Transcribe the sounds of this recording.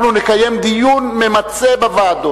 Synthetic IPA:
nunekaje̞md̪ijunmemat͡se̞bavaːd̪o

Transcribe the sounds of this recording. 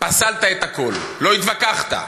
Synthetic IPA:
pasalt̪aet̪ako̞lːo̞it̪vakaχt̪a̰

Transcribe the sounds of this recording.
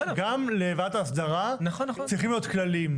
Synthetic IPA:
ɡamleːvataːsd̪aʁant͡sʁiχimjo̞t̪klalim

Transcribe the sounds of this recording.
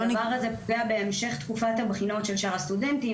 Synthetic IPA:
vaʁazepɡeabe̞emʃe̞χt̪kufathabχino̞tʃe̞lʃaʁast̪ude̞nti

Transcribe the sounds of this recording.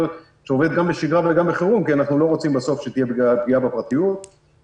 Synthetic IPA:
ʃeoved̪̚ɡambeʃiɡʁaveɡambeχeʁumkianaχnulo̞ʁo̞t͡simbaso̞fʃet̪ijebɡiabɡiabepʁat̪ijut̪̚

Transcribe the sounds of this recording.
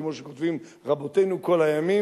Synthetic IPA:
mo̞ʃekotvim | ʁabo̞tejnuko̞lhajami

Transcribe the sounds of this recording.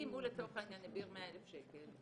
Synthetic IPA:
imulet̪oχananebiʁmeaelefʃekel

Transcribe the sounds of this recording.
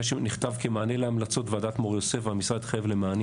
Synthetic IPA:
ʃeniχtavkemaːneleamlat͡so̞tvadat̪moʁjosefvamisʁad̪χjavlemaːn

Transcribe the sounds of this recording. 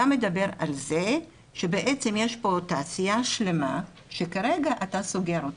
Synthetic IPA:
amed̪abe̞ʁa̰lze | ʃebeʔet͡semjeʃpo̞taːsijaʃlema | ʃekaʁeɡaʔataso̞ɡe̞ʁot

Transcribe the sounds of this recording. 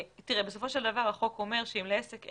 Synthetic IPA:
t̪iʁebesofo̞ʃe̞ld̪avaʁaχo̞ko̞me̞ʁʃeimleesek

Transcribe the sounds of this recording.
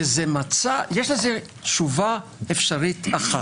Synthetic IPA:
ezemat͡sajeʃleze | tʃuvaefʃaʁitʰaχa

